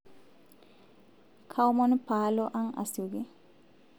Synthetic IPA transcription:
kʰawmonupaːloʔaŋa̰siuɡe

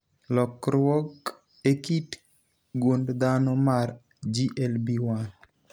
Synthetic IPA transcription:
lɔkɾwɔk | ekit | ɡondd̪anɔmar | d͡ʒiʔɛlbiwal

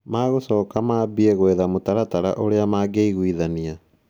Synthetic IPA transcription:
maːɣosɔːkamaːbieɣoeðamotaɾataɾa̰ʔoɾeamaːɡeiɣwiðania

